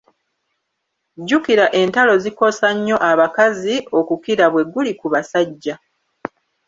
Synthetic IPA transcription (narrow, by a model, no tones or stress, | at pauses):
ɟukiɾaʔe̞ntalo̞ziko̞saɲːo̞ʔaβakazio̞kukiɾaβwe̞ɡulikuβasaɟːa